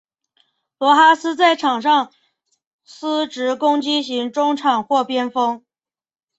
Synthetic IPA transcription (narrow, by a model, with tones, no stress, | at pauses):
pwɔ˧˥xa˥sɹ̩˥t͡sa˥˩ɪʈ͡ʂʰɑ˨˩ŋʂɑ˥˧ŋ | s̩˥ʈ͡ʂɻ̩˧˥kʊ˥ŋt͡ɕi˥ɕi˧˥ŋʈ͡ʂʊ˥ŋʈ͡ʂʰɑ˨˩ŋxwɔ˥˩pjɛ˥nfɤ˥ŋ